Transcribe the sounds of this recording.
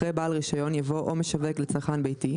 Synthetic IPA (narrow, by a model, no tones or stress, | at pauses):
ʁejbaːlʁiʃajo̞njavo̞ʔomeʃaveklet͡saʁχanbejti